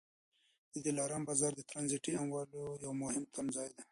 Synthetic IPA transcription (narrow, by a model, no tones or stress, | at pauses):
d̪̥əd̪ilɑːɾambazɑɾd̪ət̪ɾanziʈiamwɑːlojawmʊhɪmt̪ʰamzɑːjd̪a